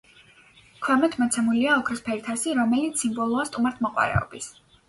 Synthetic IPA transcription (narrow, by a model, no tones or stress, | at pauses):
kʰwɛmɛt̪ʰmɔt̪sʰɛmuliaɔkʰɾɔspʰɛɾit̪ʰasiɾɔmɛlit̪sːimbɔlˠuast̪ʼumaɾt̪ʰmɔqʼwa̰ɾɛ̰ɔ̰bis